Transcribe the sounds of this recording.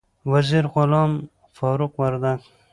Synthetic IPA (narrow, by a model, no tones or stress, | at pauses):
waziɾʁʊlɑm | fɑːɾʊqwaɾd̪aɡ